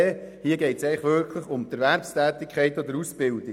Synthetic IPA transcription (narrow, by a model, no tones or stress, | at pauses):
hiəɡɛɪtsɛɪəχʋʏɾkʰləχʊmt̪əɾʋæɾpstæːt̪ikʰχɛɪt̪ɔd̪əɾusb̥ɪld̪i